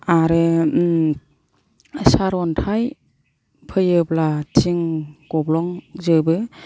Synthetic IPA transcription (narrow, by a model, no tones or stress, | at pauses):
aɾɯ | saɾɔntʰaj | pʰɯjɯblatʰiŋkɔblɔŋzɯbɯ